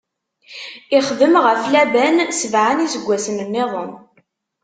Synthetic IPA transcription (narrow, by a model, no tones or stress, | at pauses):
ɪχðəmʁəflæbænsəvʕanisəɡʷːæsənənːɪðˤən